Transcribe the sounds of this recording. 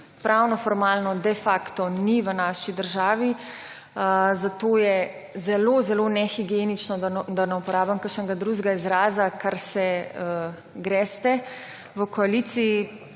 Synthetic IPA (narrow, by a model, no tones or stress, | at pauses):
pɾʔawnɔfɔɾmaːlnɔd̪ɛfaːkt̪ɔniʋənaːʃid̪əɾʒaːʋi | zat̪oːjɛ | zɛlozɛlonɛxiɡijenit͡ʃnɔd̪d̪anɛupɔɾaːbamkəɾʃnɛɡad̪ɾuʒɡaizɾaːzakaɾsɛə | ɡɾɛst̪ɛ | ʋəkɔalit̪siː